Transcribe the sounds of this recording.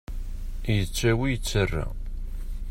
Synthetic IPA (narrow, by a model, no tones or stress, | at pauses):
jət͡sːæwijət͡sːərːa̰